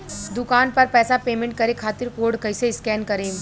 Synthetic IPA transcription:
d̪ʊkaːnpɐɾpɛːsapeːmẽɳʈ̚kɐɾekʰaːt̪ɪɾkoːɾɖkɐɪseɪskɛːnkɐɾẽː

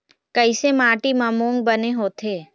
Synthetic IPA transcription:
kəɪsemaːʈimɐmõːŋɡ̚bəneɦoːt̪ʰeː

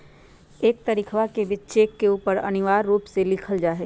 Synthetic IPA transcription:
eːk̚t̪əɾɪkʰʋakebɪt͡ʃt͡ʃeːkːeuːpəɾɐ̰nɪʋaːɾːuːpselɪkʰəld͡ʒaːɦɛ

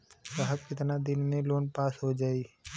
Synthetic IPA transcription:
səɦəbkɪt̪nad̪ɪnmẽloːnpaːsɦod͡ʒaːiː

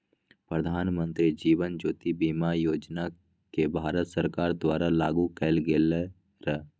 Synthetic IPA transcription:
pɾəd̪ʱaːnmə̃nt̪ɾid͡ʒiːʋənd͡ʒoːt̪ibiːmajoːd͡ʒna | kebʱaːɾət̪səɾkaːɾd̪waːɾalaːɡukɛɪlɡele | ɾə

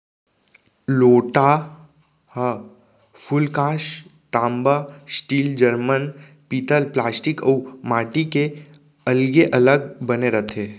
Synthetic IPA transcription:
loːʈa | hə | fʰʊlkãːʃt̪ãːmbasʈiːld͡ʒəɾmən | piːt̪əlplaːsʈɪkə̰ːmaːʈike | ɐlɡeʔɐləɡ̚bəneɾət̪ʰeː

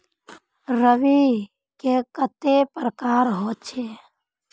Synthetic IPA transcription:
ɾəʋi | kekət̪epɾəkaːɾɦoːt̪t͡ʃʰeː

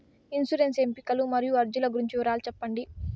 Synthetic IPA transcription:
insuɾense̞mpikɐlumɐɾijuɐɾd͡ʒulɐɡuɾiɲt͡ʃiuɾaːlut͡ʃɛpːɐɳɖi

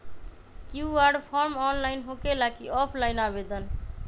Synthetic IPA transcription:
kjuaɖpʰɔɾmɔːnlaɪnɦokelakiɔpʰlaɪnabed̪ən

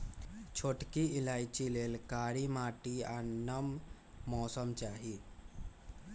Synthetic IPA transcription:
t͡ʃʰoʈkiɪlaːjt͡ʃileːlkaːɾimaːʈianəmː | ɔːsəmt͡ʃaːɦi

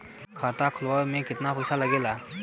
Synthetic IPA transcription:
kʰat̪akʰʊlwamẽkɪt̪napɔjsalaɡɛla

